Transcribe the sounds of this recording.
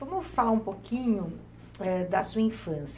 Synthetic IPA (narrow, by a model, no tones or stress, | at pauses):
vɐ̃mʊfalaũpokĩɲʊ | ɛd̪ɐsuɐĩfɐ̃s